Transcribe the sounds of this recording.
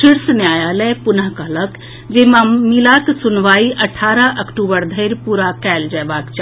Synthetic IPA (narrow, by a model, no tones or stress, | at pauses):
ʃiɾsnjajalɛpunəɦkəɦlək | d͡ʒemamilaksunʋaiʔəʈʰaɾəʔəkʈubəɾd̪ʱəɪɾpuɾakɛld͡ʒabakt͡ʃa